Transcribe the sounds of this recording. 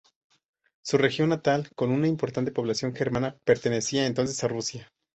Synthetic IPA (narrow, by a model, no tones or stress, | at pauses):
sure̞xjonːat̪alko̞nunaimpo̞ɾt̪ant̪e̞po̞β̞lasjo̞ŋxe̞ɾmãnape̞ɾt̪e̞ne̞siae̞nt̪o̞ns̬e̞sarusja